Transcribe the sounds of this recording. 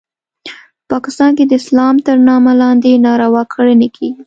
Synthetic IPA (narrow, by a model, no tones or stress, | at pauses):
pɑkɪst̪ɑnked̪əɪslɑmt̪əɾnɑmalɑnd̪enɑɾawɑkʰəɽənekʰeɡi